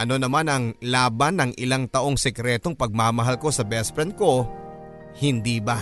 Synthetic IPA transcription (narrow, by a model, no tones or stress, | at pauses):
ʔɐno̞nɐmanɐŋlaːbanːɐŋʔɪlaŋt̪ɐʔo̞ŋsɛkɾɛːt̪o̞ŋpɐɡ̚maːmɐɦalko̞sɐbɛspɾɛnt̪̚ko̞ | hɪnd̪iːba